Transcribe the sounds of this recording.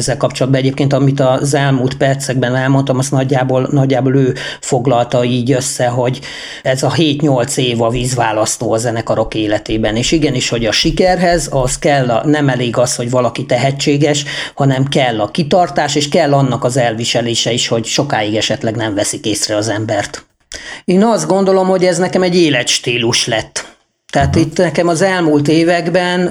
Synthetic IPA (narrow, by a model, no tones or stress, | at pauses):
ɛzːɛlkɒpt͡ʃo̞lɒd̪bɒɛɟeːp̚keːnt̪ɒmit̪ɒzɛlmuːlt̪pɛrt̪sɛɡ̚bɛnɛlmo̞nt̪ɒmɒst̪nɒɟːaːboːlnɒɟːaːboløːfoɡlɒlt̪ɒiːɟø̞sːɛɦo̞ɟ | ɛzɒɦeːt̪ɲo̞lt̪seːvɒviːzʋaːlɒst̪oːɒzɛnɛkɒɾo̞keːlɛt̪eːbɛneːʃiɡɛniʃho̞ɟɒʃikɛrɦɛzɒskɛlːnɛmɛleːɡɒshoɟvɒlɒkit̪ɛɦɛt͡ʃːeːɡɛʃhɒnɛmkɛlːɒkit̪ɒrt̪aːʃeːʃkɛlːɒnːɒkɒzɛlviʃɛleːʃɛiʃho̞ɟʃo̞kaːiɡɛʃɛt̪lɛɡnɛɱvɛsikeːsrɛɒzɛmbɛrt̪ | eːnɒzd̪̚ɡo̞nd̪o̞lo̞mho̞ɟɛznɛkɛmɛɟːeːlɛt̪ʃt̪iːluʃlɛt̪ː | t̪ɛat̪it̪ːnɛkɛmɒzɛlmult̪̬eːvɛɡbɛn